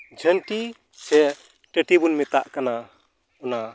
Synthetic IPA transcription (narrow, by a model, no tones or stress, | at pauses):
d͡ʒʱənʈi | sʰɛ | ʈəʈibunmɛt̪aʔkana | ɔna